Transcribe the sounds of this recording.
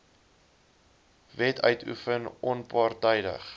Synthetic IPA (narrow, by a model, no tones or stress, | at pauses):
vɛtʰœ̰ɥtʰṵfənʔɔnpɑrtəjdə̰χ